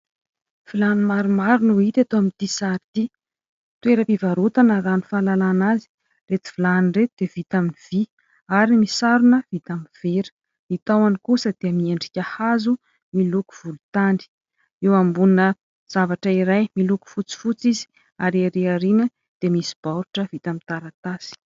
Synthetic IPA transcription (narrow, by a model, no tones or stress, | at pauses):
v̥ilanimaɾumaɾunuit̪ʲat̪oamint̪isaɾt̪i | t̪ueɾəpivaɾut̪anəranifalalanazi̥ | ret̪i̥v̥ilanret̪ud̪̥evit̪aminiv̥i | aɾimisaɾunəv̥it̪amiv̥eɾə̥ | it̪awanikusəd̪̥eəmieɳɖ͡ʐikʲahazu | miluku̥v̥ulut̪aɳɖ͡ʐi̥ | ewambuninə | z̥avaʈ͡ʂəiɾajmiluku̥fut͡si̥fut͡sizi̥ | aɾaɾeaɾinə | d̪̥emisi̥b̥aɾuʈ͡ʂəvit̪amint̪aɾat̪asi̥